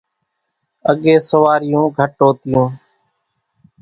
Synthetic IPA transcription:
əɠeːsəʋaːɾɪjũːɡʱəʈoːt̪ɪjũː

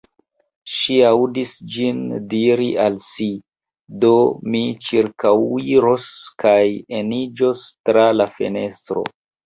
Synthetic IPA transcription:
ʃiawdisd͡ʒindiɾialsi | do̞mit͡ʃiɾkawiɾo̞skajenid͡ʒo̞stɾalafe̞̰ne̞stɾo̞̰

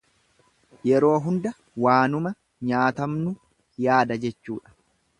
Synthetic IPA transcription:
jɛɾo̞ːɦʊnd̪ɐ | waːnʊmɐ | ɲaːt̪ɐmnʊ | jaːd̪ɐd͡ʒɛt͡ʃːuːᶑɐ̥

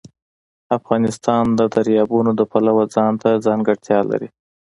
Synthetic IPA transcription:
afɣɑnɪst̪ɑnd̪əd̪aɾjɑbunod̪əpalawad͡zɑnt̪ad͡zɑŋɡaɽt̪jɑla̰ɾḭ

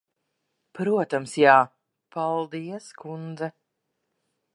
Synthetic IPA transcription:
pɾuɔt̪amsjaː | palˠd̪iɛskund̪zɛ

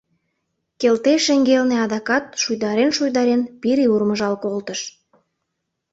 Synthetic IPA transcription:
kelt̪eʃeŋɡelneɑd̪ɑkɑt̪̚ʃujd̪ɑɾenʃujd̪ɑɾenpiɾiurməʒɑlkolt̪əʃ

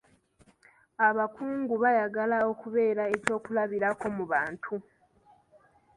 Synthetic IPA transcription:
aβakuːŋɡuβajaɡalao̞kuβe̞ːɾae̞co̞ːkulaβiɾako̞muβaːntʰu

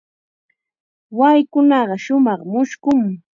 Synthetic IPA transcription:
wajkʊnɑɢɑʃʊmɑχmʊʃkʊŋ

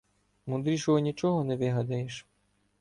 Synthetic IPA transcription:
mʊd̪ɾʲiʃɔɦɔnʲit͡ʃɔɦɔnɛʋɪɦɐd̪ɐjeʃ

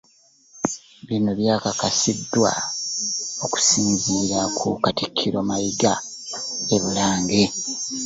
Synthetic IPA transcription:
βinoβjaːkakasidːwa̰ | o̞ku̥siːnziːɾakʰṵkatikʰːiɾo̞majiɡa | e̞βulaːŋɡe

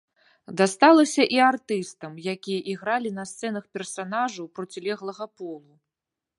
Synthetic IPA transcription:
d̪ast̪alˠɐsʲɐʔiart̪ɨst̪ɐmjakʲijɐʔiɣɾalʲinɐst̪sɛn̪ɐxpʲɛrsanaʐɐwpɾɔt͡sʲilʲɛɣlˠɐɣɐpɔlˠu

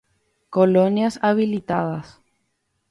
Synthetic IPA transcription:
kolonjasaβilit̪aðɐs

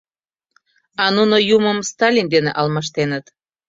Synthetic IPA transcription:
ɑnunojuməmst̪ɑlʲind̪eneʔɑlmɑʃ̬t̪enət̪

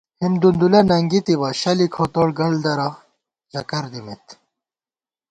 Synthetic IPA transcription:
himd̪und̪ulɐnɐŋɡit̪ibɐɕɐlikʰot̪oɽɡɐɭd̪ɐɾa | ʑɐkɐɾd̪imet̪

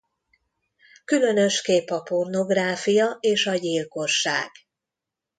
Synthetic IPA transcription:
kylø̞nø̞ʃkeːpɒpo̞rno̞ɡraːfijɒʔeːʃɒɟilko̞ʃːa̰ːɡ̥

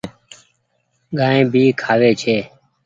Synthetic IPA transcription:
ɠaːẽːbʱiːkʰaːʋeːt͡ʃʰeː

